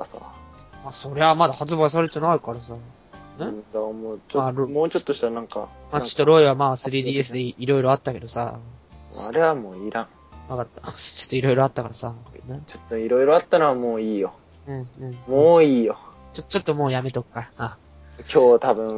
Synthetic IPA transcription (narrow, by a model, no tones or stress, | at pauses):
kasa̰maso̞ɾe̞βamad̪ahat͡sɨbais̬aɾe̞t̪e̞naikaɾasa | ned̪amoːt͡ɕoɾmoːt͡ɕo̞t̪ːoɕi̥t̪anãŋka̰mat͡ɕi̥t̪ːo̞ɾo̞iβamaːsɨɾʲiːd̪iːe̞s̬ɨd̪eiɾo̞iɾo̞at̪ːake̞d̪o̞sa̰ | a̰ɾeβamoːiɾãŋ | βakat̪ːḁt͡ɕo̥t̪ːoiɾo̞iɾo̞at̪ːakaɾasanet͡ɕot̪ːoiɾo̞iɾo̞at̪ːanoβamoːiːjo̞ | ɯ̟̃ɴɯ̟̃ɴmoːiːjo̞ | t͡ɕot͡ɕo̞t̪ːo̞mo̞ːjame̞t̪o̞kkːaa | kʲʰo̞ːt̪abɯ̟̃